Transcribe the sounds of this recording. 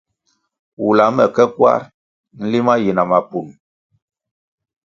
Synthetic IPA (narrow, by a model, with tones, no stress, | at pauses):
wu˨la˨˦mɛ˨kɛ˦kwa̰˦ɾ | n̩˦li˦ma˦ji˨na˨ma˨pu˨n